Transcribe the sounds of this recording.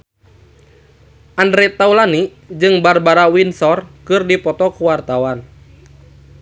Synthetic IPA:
ʔandɾɛt̪aulani | d͡ʒɨŋbarbaɾawinsɔrkɨrdipɔt̪ɔkuwart̪awan

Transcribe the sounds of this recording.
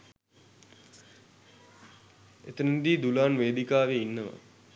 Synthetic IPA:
et̪ənind̪iːd̪ulaːnʋeːd̪ikaːʋeinːəʋa̰

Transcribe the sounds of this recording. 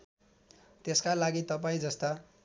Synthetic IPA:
t̪eskalaɡit̪ʌpaĩd͡zʌst̪a

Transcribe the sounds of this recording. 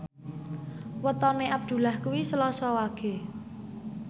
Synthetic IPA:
wət̪ɔneʔab̚d̪̥ṳlahkuwisəlɔsɔwaɡ̥e̤

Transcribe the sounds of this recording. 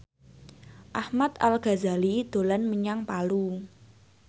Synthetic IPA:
ʔahmat̪alɡ̥a̤zalid̪̥o̤lanməɲaŋpalu

